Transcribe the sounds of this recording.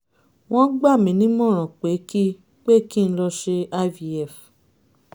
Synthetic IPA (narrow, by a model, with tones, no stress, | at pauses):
w̃ɔ̃˦ɡ͡ba˦˨mĩ˨˦nĩ˦mɔ̃˦˨ɾ̃ɔ̃˨k͡pe˨˦ki˦ | k͡pe˦ki˦˧n̩˦lɔ˧ʃe˧a˦vi˧ɛ˨f